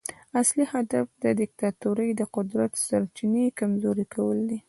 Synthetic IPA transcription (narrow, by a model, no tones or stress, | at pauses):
aslihad̪afd̪əd̪ɪk̚t̪at̪uɾəjd̪əqʊd̪ɾat̪saɾt͡ʃinekamzoɾikawəld̪i